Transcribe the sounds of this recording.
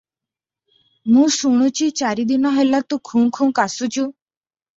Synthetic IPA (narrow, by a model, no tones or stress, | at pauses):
mũːsuɽ̃ut͡ʃit͡ʃaːɾid̪inaɦelat̪ũkʰũːŋkʰuːkasut͡ʃu